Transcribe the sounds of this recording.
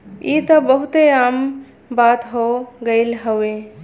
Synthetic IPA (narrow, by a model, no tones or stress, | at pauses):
it̪əbəɦut̪eam | bat̪ɦoɡəɪlɦəwe